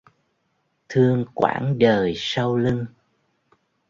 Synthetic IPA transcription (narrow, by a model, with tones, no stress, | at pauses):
t̪ʰɨ˧əŋkwa̰ː˧˩nɗəː˨˩jsa˧wlɨ˧ŋ